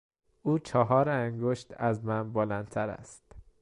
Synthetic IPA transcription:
uːt͡ʃʰɒːɦɒːɾæŋɡoʃt̪æzmænboːlænt̪ʰæɾæ̰st̪

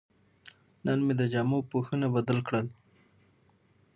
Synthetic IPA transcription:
nənmed̪əd͡ʒamopoxənabad̪əlkɽəl

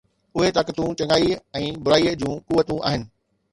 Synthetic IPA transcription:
ʊɦet̪ɐkt̪ũt͡ɕɐ̃ŋɡaːiɛ̃ːbʊɾaːid͡ʑũːkuʋət̪ũʔa̰ːɦɪnɪ̆

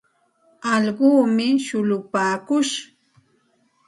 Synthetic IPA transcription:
ɑʎɢuːmɪʃʊlʊpaːkʊʃ

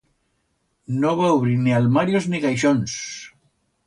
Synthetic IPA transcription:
noβ̞auβɾinialmaɾjozniɣajʃ̬ons

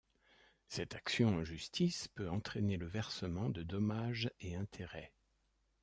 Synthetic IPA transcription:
sɛt̪aksjɔ̃ɑ̃ʒyst̪ʰispøɑ̃t̪χeneləvɛʁsəmɑ̃d̪əd̪ɔmaʒeɛ̃t̪ʰeʁɛ

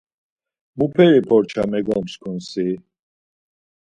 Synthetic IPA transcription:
mupʰɛɾipʰɔɾt͡ʃʰamɛɡɔlmskʰunsi

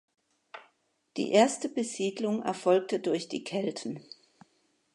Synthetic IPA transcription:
d̥ḭːʔeːɐstəbəziːdlʊŋɛ̰ɐfɔlk̚tədʊɐçd̥ḭːkʰɛltʰn̩

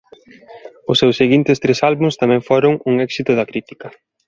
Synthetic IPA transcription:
ʊsːewseɣint̪ɪst̪ɾesalβuŋst̪amɛ̃ŋfoɾʊŋuŋɛksit̪ʊðɐkɾit̪i̥kɐ

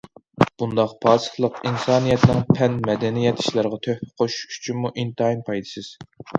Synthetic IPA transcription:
b̥und̪ɑqpʰɑːsɨ̥χlˠəqinsɑːnijɛt̪nɪŋpʰɛnmɛd̪ɛnijɛt̪ʰi̥ʃlˠæɾʁɑt̪ʰøhqʰoʃy̥t͡ʃʰynmuʔint̪ɨɑinpʰɑjd̪ɨsɨz̥

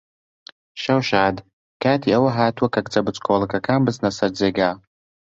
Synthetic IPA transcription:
ʃawʃaːd | kʰaːtʰiawaɦaːtʰwakʰʼakʼt͡sʼabɨt͡sʼkʷʰolakʰakʰaːmbɨznasɨrd͡zeɡʲaː

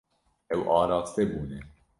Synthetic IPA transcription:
ɛwʔɑːɾɑːt̪t̪ɛbuːnɛ

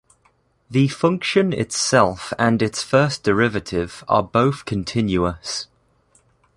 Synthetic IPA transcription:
ðəfʌ̃ŋkʃə̃nɪ̰tsɛlˠfə̃nɪtsfɜˑsd̥ɪɹɪvətʰɪv̥ə̰bəʊθkʰə̃ntʰɪ̃njuəs

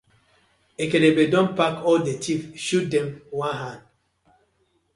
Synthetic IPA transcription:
ekelebedɔ̃npakɔldetʰifʃut̚dɛ̃mwãnɦãnd

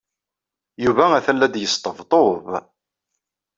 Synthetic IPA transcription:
juvææθælːæd̪jəst̪ˤəvt̪ˤov

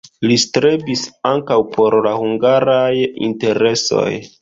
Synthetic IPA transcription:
listɾebisaŋkawpʰo̞ɾlahuŋɡaɾajḭnte̞ɾe̞so̞̰j

